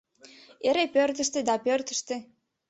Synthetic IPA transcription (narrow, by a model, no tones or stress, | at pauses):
eɾepørt̪ə̆ʃt̪ed̪ɑpørt̪ə̥̆ʃt̪e